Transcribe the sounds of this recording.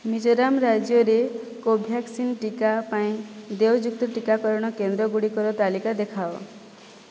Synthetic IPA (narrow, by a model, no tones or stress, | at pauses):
mid͡ʒɔɾamɾad͡ʒjɔɾekobʱjaksinʈikapaĩd̪ewd͡ʒukt̪ɔʈikakɔɾɔɽ̃ɔkend̪ɾɔɡuɽikɔɾɔt̪alikad̪ekʰao